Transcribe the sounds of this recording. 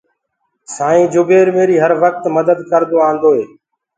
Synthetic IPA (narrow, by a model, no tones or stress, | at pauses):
sãːĩːd͡ʒʊbeːɾmeːɾiːɦəɾʋək̚t̪məd̪əd̪kəɾd̪oːãːnd̪oːɦeː